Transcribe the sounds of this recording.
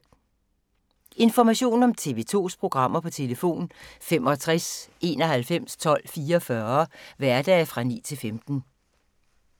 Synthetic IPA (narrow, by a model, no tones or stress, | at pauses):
e̝nfɒmæɕo̝̰ːn̩ɒ̽mt͡sʰe̝̰ːʋe̝t͡sʰo̝̰ːspʰʁo̝ɡ̥ʁɑ̈m̰ɐpʰɒ̽t͡sʰe̝ləfo̝̰ːnfemɒ̽t͡sʰʁase̝̰ːnɒ̽ɦælfem̰st͡sʰɒ̽l̰fiːɐɒfɶɐʋæɐd̥ɛːfʁɑ̈nḭːt͡sʰe̝lfemd̥n̩